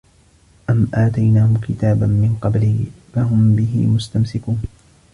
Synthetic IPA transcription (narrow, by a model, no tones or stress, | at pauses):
ʔamʔaːt̪ajnaːhʊkɪt̪aːbanmɪnqɑbliːfaɦʊmbɪɦɪ̰mʊst̪amsɪkuːn